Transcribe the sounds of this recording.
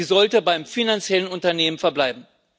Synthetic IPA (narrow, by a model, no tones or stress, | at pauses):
iːzɔltəbaɪmfinant͡sjɛlənʊntɐneːmənfɛɐblaɪbm̩